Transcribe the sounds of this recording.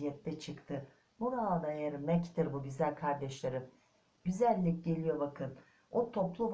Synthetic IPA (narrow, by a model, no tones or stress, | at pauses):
ijɛt̪ʰːɛt͡ʃʰɯkt̪ʰɯ | muɾaːd̪ajeɾmɛct̪iɾbuɟyzælʲkʰaɾd̪ɛʃlʲeɾɯm | ɟyzælʲːicɟe̞lʲijo̞bakʰɯn | ot̪ʰo̞plˠuv